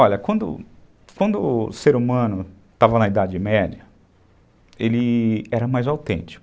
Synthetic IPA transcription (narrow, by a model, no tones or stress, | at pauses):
ɔʎɐkwɐ̃nd̪ʊ̰ | kwɐ̃nd̪ʊseɾumɐ̃nʊ | t̪avɐnɐid̪ad͡ʒɪmɛd͡ʒɐ | elɪɛɾɐmajzawt̪ḛ̃nt͡ʃɪ̥kʊ